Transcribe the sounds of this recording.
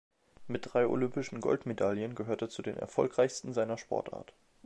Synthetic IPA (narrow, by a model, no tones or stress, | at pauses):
mɪt̚d̥ʁaɪʔo̰lʏmpɪʃn̩ɡɔ̰ltmedaljənɡəɦøːɐtɛːɐt͡sudḛːnɛ̰ɐfɔlkʁ̥aɪçstn̩zaɪnɐʃpʰɔ̰ɐtʔa̰ːɐt